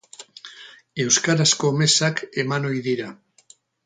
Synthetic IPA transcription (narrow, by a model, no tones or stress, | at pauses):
e̞wskaɾaskomesakemanojðiɾa